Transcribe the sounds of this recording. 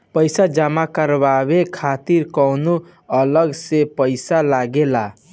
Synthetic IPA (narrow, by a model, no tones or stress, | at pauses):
pəjsad͡ʒamakəɾbabekʰat̪iɾkəwnu | ələɡsepəɪsalaɡela